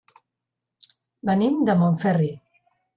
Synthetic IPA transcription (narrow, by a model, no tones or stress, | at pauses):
bənimd̪əmoɱfɛri